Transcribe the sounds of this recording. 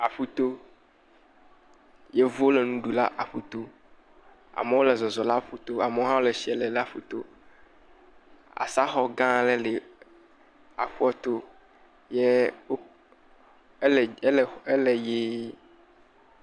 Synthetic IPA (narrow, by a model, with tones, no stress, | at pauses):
a˨ɸu˦t̪o˦ | je˦vu˦o˦le˨nũ˦ɖu˨la˦ʔa˨ɸu˦t̪o˦ | a̰˨me˨˦wo˦le˨zɔ˨zɔ˨la˦ɸu˦t̪o˦a˨me˨wo˦ɦã˦wo˦le˨ʃi˨˦ɛ˨le˨la˦˨ɸu˦t̪o̰˦ | a̰˨sa˦xɔ˨ɡã˦le˦le˨ | a̰˨ɸu˦ɔ˦t̪o˦ | je˦ | lle˦le˨je˦